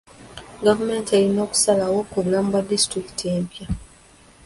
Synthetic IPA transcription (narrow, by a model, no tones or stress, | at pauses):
ɡavume̞ːntieɾino̞ːku̥salawokuβulaːmbwadistɾiki̥tie̞ːmpja